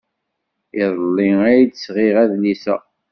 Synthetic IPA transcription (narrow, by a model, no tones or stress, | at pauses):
ɪðˤlːiæjd̪sʁiʁæðlisæ̰